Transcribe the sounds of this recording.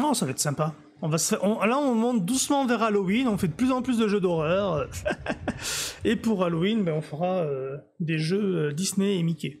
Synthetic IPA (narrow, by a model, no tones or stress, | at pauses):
ɔsavaɛt̪sɛ̃pa | ɔ̃vasə̥fɛʁɔ̃laɔ̃mɔ̃t̪̚d̪usmɑ̃vɛʁalowinɔ̃fɛd̪əplyzɑ̃plys̬d̪əʒød̪ɔʁœʁø | epuʁaloinbɛɔ̃fəʁaø | d̪eʒøød̪isneemikʲe